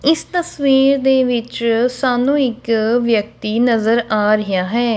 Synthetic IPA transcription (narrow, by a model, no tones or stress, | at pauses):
ɪst̪əsʋiːɾd̪eːʋɪt͡ʃsaːnũːɪkʋjək̚t̪iːnəzəɾaːɾəjaːɦɛː